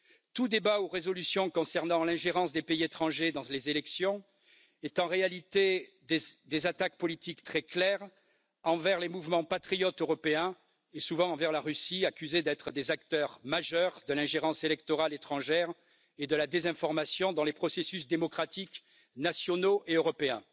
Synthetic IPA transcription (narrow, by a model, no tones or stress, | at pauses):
t̪ud̪ebauʁezɔlysjɔ̃kɔ̃sɛʁnɑ̃lɛ̃ʒeʁɑ̃sd̪epeiet̪χɑ̃ʒed̪ɑ̃lezelɛksjɔ̃ | ɛt̪ɑ̃ʁealit̪e | d̪d̪ezat̪ak̚pɔlit̪ikt̪χɛklɛʁ | ɑ̃vɛʁlemuvmɑ̃pat̪χijɔt̪øʁɔpeɛ̃ | esuvɑ̃ɑ̃vɛʁlaʁysiakʲyzed̪ɛt̪χəd̪ezakt̪œʁmaʒœʁd̪əlɛ̃ʒeʁɑ̃selɛk̚t̪ɔʁalet̪χɑ̃ʒɛʁ | ed̪əlad̪ezɛ̃fɔʁmasjɔ̃d̪ɑ̃lepχɔsesys̬d̪emɔkχat̪ik | nasjɔnoʔeøʁɔpeɛ̃